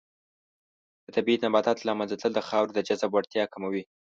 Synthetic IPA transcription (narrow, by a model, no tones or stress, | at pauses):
d̪̥ət̪abiit̪nabɑt̪ɑt̪lɑmanzat̪ləld̪əxɑwɾd̪əd͡ʒazabwaɽt̪jɑkamawi